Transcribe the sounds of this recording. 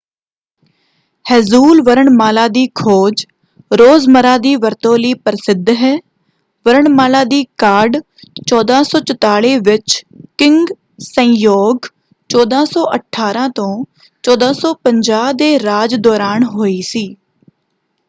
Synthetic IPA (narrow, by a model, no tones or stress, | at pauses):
hɛːzuːlʋəɾəɳmaːlaːd̪iːkʰoːd͡ʒ | ɾoːzməɾaːd̪iːʋəɾt̪õːliːpəɾɪsɪd̪ɦɛː | ʋəɾəɳmaːlaːd̪iːkaːɖ | t͡ʃɔːd̪ãːsɔːt͡ʃət̪aːɭeːʋɪt͡ʃkɪ̃ŋɡ | sə̃joːɡ | t͡ʃɔːd̪ãːsɔːʔəʈʰːaːɾãːt̪õː | t͡ʃɔːd̪ãːsɔːpəɲd͡ʒaːd̪eːɾaːd͡ʒd̪ɔːɾaːnɦoːiːsiː